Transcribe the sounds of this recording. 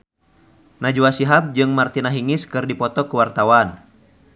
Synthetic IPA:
nad͡ʒuasiɦab̚d͡ʒɨŋmart̪inaɦiŋiskɨrdipɔt̪ɔkuwart̪awan

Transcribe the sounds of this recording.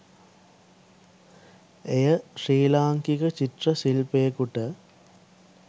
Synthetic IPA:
ejɐɕiːlaːŋkiɣɐt͡ɕiʈrɐsilpeːkuʈːɐ

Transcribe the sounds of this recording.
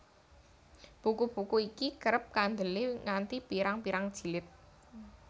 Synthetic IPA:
b̥ukub̥ṳkuikikəɾəp̚kand̪əleŋant̪ipiɾaŋpiɾaŋd̥ʒ̥i̤lɪt̪̚

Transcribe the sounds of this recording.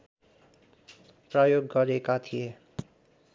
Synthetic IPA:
prʌjoɡːʌɾekat̪ʰije

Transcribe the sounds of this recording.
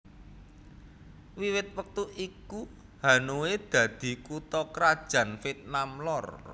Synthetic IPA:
wiwɪt̪̚wək̚t̪uʔiku | ha̤nowed̪̥ä̤d̪̥i̤kut̪ɔkɾad̥ʒ̥ä̤nfit̪̚namlɔr

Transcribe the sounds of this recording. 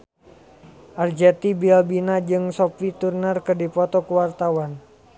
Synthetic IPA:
ʔard͡ʒɛt̪ibialbinad͡ʒɨŋsɔpit̪urnərkədipɔt̪ɔkuwart̪awan

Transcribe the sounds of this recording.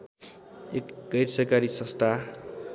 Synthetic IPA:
ekɡʌjɾsʌkaɾisʌ̃st̪ʰa

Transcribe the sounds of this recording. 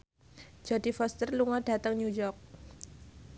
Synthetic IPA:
d͡ʒadifɔst̪ərluŋad̥at̪aŋɲujɔrk̚

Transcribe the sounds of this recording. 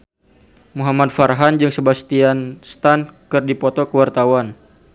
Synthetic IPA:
muɦamad̚farɦand͡ʒɨŋsəbast̪ianst̪ankɨrdipɔt̪ɔkəwart̪awan

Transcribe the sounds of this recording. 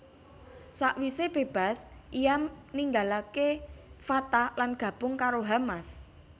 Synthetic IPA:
saʔwiseb̥e̤b̥a̤sʔijamniŋɡalakefat̪alanɡ̥ä̤b̥ʊŋkaɾoɦamas

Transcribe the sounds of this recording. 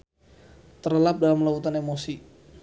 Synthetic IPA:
t̪ərəlap̚dalamlawut̪anemosi

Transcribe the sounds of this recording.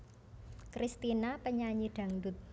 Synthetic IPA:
kɾʔist̪inapəɲaɲiɖ̪̥ä̤ŋd̪ʊt̪̚

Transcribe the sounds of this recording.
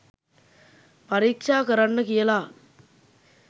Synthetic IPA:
pɐɾɪk̚t͡ʃaːkɐɾɐnːɯkɪjɐlaː

